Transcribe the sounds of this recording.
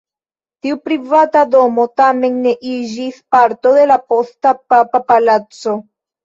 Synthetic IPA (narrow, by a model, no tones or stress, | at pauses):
tiupɾivatado̞mo̞tame̞nːe̞ʔid͡ʒispaɾto̞d̪e̞lapo̞stapapapalat͡so̞